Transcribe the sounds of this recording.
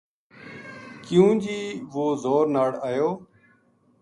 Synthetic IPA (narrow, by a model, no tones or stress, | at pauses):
kɪjũːd͡ʒiːʋoːzoːɾnaːɽaːjoː